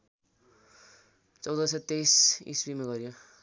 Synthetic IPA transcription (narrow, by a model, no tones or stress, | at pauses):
t͡sʌwd̪ʌset̪ːejsḭsrimaɡʌɾijo